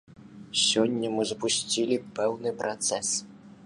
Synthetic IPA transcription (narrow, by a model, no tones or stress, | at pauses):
sʲɔnʲːɐmɨzɐpusʲt͡sʲilʲipɛwnɨpɾʔat̪sɛs